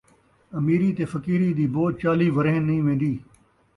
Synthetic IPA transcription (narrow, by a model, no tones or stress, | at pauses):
ɐmiːɾiːt̪eːfəkiːɾiːd̪iːboːt̪̚t͡ʃaːliːʋəɾeːnːĩːʋẽːn̆d̪iː